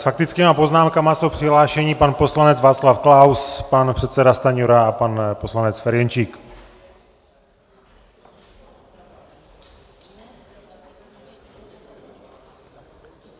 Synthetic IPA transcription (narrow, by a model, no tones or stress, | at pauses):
sfak̚t̪ɪt͡skiːmapo̞znaːmkamasowpr̝̥ɪɦlaːʃɛɲiːpanpo̞slanɛd͡zvaːt͡slafklawspanpr̝̥ɛt̪sɛdast̪aɲuɾaapanpo̞slanɛt͡sfɛɾjɛnt͡ʃiːk